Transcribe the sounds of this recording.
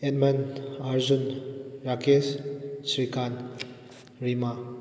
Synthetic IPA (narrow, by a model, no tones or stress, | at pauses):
etmɐnaɾzunɾakessɾikʰan | ɾima